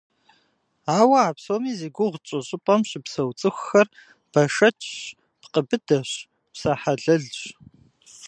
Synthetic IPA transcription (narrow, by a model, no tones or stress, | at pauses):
aːwɐaːpsoːmiːziːɡʷʊʁt͡ʃʼɪɕʼɪpʼɐmɕɪpsɐwt͡sʼɨxʷːɐr | b̥ɐʂɐt͡ʃʰɕ | pqəbɨdɐɕ | psɐħaɮɐɮɕ